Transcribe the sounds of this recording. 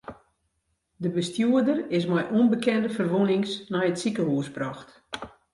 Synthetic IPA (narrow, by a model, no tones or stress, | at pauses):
dəbəstjuədərɪs̬mɛjʔunbəkɛndəfərʋunɪŋsnɛjətsikəhuːsbrɔxt